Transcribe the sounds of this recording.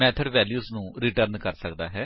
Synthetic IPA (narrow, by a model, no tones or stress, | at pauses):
mɛːt̪ʰəɖʋɛːljuːsnũːɾiʈəɾnkəɾsəkd̪a̰ːɦɛː